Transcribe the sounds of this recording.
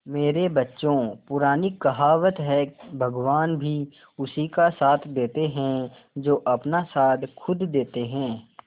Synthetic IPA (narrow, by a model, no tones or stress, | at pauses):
meːɾebɐtːʃõpʊɾaːnikɐɦaːʋət̪ɦɛbʱɐɡʋaːnbʱi | ʊsikasaːt̪ʰd̪eːt̪eɦɛ̃ | d͡ʒoːʔɐpnasaːd̪kʰʊd̪d̪eːt̪eɦɛ̃ː